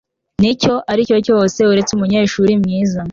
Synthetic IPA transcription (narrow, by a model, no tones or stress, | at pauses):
nico̞ʔaɾico̞cose̞uɾe̞t͡sumuɲaiʃuːɾimɲiːza